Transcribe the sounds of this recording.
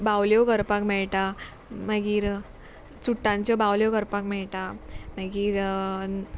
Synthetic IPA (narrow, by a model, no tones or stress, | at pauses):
bawljoɡəɾpakmɛɭʈa | məɡiːɾ | t͡suʈːãɲt͡ɕjɔbawljɔɡəɾpakmɛɭʈaməɡiːɾ